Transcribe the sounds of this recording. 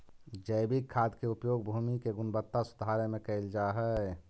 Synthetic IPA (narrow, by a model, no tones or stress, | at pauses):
d͡ʒəɪbikʰːaːd̪keupjoːɡbʱuːmikeɡʊnbət̪ːasʊd̪ʱaːɾemẽkəɪld͡ʒaɦɛ